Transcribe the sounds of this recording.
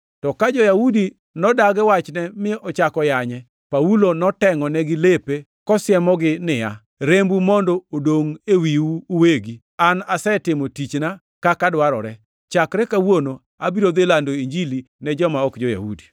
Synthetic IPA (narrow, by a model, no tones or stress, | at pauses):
tɔkad͡ʒɔjaudi | nɔdaɡɛwat͡ʃnɛmɪʔɔt͡ʃakɔjaɲɛ | paulonɔtɛŋɔnɛɡɪlepe | kɔsjɛmɔɡɪnɪja̰ | ɾembumɔndoodoŋewiwuːweɡi | anasɛtɪmotit͡ʃna | kakadwaɾɔ̰ɾɛ | t͡ʃakɾɛkawono | abiɾod̪elandoiɲd͡ʒili | nɛd͡ʒɔmaɔkd͡ʒɔja̰hṵdi̥